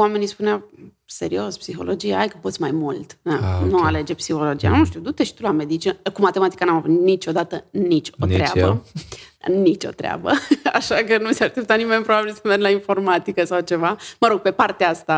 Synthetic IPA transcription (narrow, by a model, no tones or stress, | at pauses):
wame̞nispuneaw | se̞̰ɾio̞spsixo̞̰lo̞d͡ʒijaajkəpot̪sʲmajmult̪anuale̞d͡ʒe̞psixo̞lo̞d͡ʒija̰nuʃt̪iud̪ut̪e̞ʃt̪ulame̞d̪it͡ʃinəkumat̪e̞mat̪i̥kanamavut̪nit͡ʃo̞d̪at̪ənit͡ʃʲo̰t̪ɾea̰bə̰ | nit͡ʃo̞̰t̪ɾea̰bə̰a̰ʃakənuseaʃt̪ep̚t̪at̪nime̞nʲpɾobabilsəmerɡlainfo̞rmat̪ikəsawt͡ʃe̞vaməɾo̞ɡ̚pe̞part̪eaast̪a